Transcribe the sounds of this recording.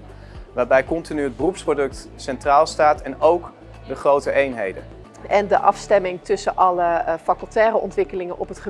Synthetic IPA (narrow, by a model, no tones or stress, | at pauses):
ʋaːɹbɛjkɔntinyɦəd̚bərupsprodɵk̚tsɛntraːlˠstaːtɛnowk | dəχrowtəʔejnɦḛjdə̰n | ʔɛndəʔɑ̰fstɛmɪŋtɵsənʔɑləfaklˠtɛːɾəʔɔ̰ntʋɪkəlɪŋənɔpɦətχə